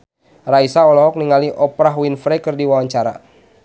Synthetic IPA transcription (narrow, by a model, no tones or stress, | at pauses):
raisaɔlɔɦɔk̚niŋaliʔɔpɾaɦwinfɾɛkɨrdiwawaɲt͡ʃaɾa̰